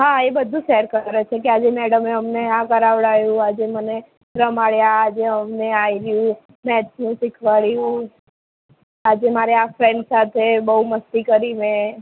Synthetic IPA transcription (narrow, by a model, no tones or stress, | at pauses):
ɦaebəd̪ʱũʃɛɾkəɾet͡ʃʰekead͡ʒemɛɽəmeəmneãkəɾaʋɭajũad͡ʒeməne | ɾəmaɭjaːd͡ʒeəmneajiɾjũ | mɛt͡ʃsnũsikʰʋaɭjũ | ad͡ʒemaɾeafɾẽɳɖsat̪ʰebəɦuməst̪ikəɾimẽ